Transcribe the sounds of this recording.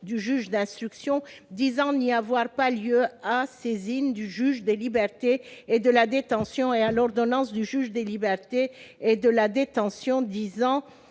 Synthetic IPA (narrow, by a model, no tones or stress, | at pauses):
d̪yʒyʒd̪ɛ̃st̪χyksjɔ̃d̪izɑ̃niavwaʁpaljøasezind̪yʒyʒd̪elibɛʁt̪eed̪əlad̪et̪ɑ̃sjɔ̃ealɔʁd̪ɔnɑ̃sd̪yʒyʒd̪elibɛʁt̪eed̪əlad̪et̪ɑ̃sjɔ̃d̪izɑ̃